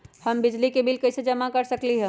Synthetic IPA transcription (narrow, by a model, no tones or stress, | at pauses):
hɐmbɪd͡ʒlikebɪlkɐised͡ʒɐmakɐɾsɐkliɦɛ̃ː